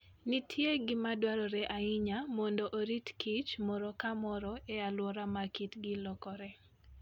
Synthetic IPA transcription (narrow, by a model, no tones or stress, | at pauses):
nitʰjeɡɪmadwaɾɔɾɛʔaiɲamɔndɔʔoɾitkʰit͡ʃmɔɾɔkamɔɾɔɛalwɔɾamakitɡɪlɔkɔɾɛ